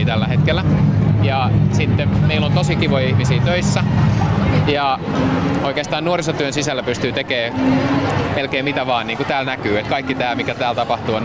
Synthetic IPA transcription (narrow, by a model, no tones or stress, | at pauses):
t̪ælːæhet̪kelːˑæjɑsit̪ːemmeilːont̪osikiʋojihmisiːt̪øisːæ | jɑ | oikeːst̪ɑːnnuorisɑt̪yønsisælːæpyst̪yːt̪ekeː | melkeːmit̪æʋɑːnniːŋkut̪æːlnækyːet̪kɑikːit̪æːmikæt̪æːlt̪ɑpɑht̪uːon